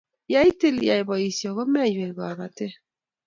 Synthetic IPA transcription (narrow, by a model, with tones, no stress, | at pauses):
ja˦i˦te˦li˨˦ja˨e˨bɔ˨i˨sjɔ˨ɣɔ˦mɛ˦˨jwe˨ɣɔ˨a˨βa˨te˦